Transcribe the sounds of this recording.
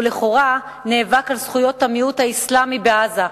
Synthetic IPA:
leχo̞ʁa | neːvakalsχujo̞thamiuthaislamibeaza

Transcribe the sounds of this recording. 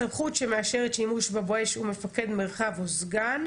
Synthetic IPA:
amχutʃe̞me̞aʃeʁetʃimuʃbaboeʃume̞fake̞d̪me̞ʁχavozɡan

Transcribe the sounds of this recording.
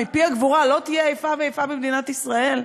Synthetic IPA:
mipiaɡvuʁalo̞t̪ijeajfaveejfabimd̪inat̪isʁae̞l

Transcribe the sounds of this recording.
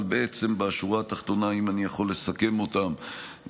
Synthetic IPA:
lbee̞t͡se̞mbeaʃuʁaːt̪aχt̪o̞naimanijaχo̞lːe̞sake̞mo̞tam

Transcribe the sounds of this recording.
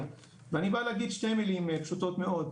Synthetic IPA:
veanibaleaɡid̪ʃt̪emilimepʃut̪o̞t̪meo̞d̪

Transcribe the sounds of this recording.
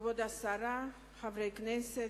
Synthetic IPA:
vod̪asaɾa | χavɾeknɛse

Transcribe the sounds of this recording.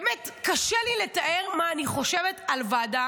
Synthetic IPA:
metkaʃeliletaʔeʁmaːniχo̞ʃevetalvaːda

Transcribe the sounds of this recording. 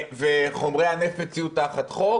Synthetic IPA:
veχo̞mʁejanefmet͡siutaχat̪χo

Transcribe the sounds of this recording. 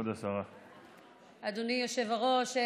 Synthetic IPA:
od̪asaʁa | ad̪unijoʃevaʁoʃ

